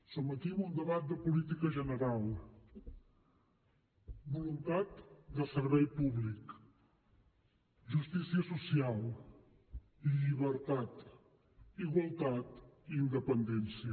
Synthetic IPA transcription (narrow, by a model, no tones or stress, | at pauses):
səmət̪iβund̪əβat̪̚d̪əpulit̪ikəʒənəɾalˠ | bulunt̪at̪d̪əsəɾβɛjpuβlik | ʒust̪isiəsusialˠ | iʎiβəɾt̪at̪ | iɣwəlˠt̪at̪iːnd̪əpənd̪ɛnsiə